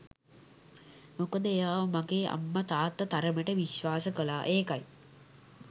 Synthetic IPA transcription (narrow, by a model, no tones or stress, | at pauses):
mokəd̪əejaːʋəmaɡeːʔa̰mːət̪aːt̪ːət̪aɾəməʈəʋiʃʋaːsəkəlaːʔeːkaj